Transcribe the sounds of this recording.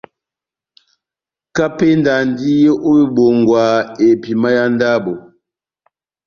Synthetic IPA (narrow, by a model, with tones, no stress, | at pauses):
ka˦pe˦n˦da˨n˦di˦je˦ʔo˦bi˦bo˨ŋ˨ɡwa˨e˨pi˨ma˦ja˦n˦da˦bo˨